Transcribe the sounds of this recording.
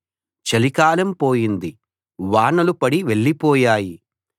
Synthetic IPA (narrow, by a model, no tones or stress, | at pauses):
t͡ʃɐlikaːlɐmpoːjind̪i | ʋaːɳɐlupɐɽiʋeɭːipɔːjaːji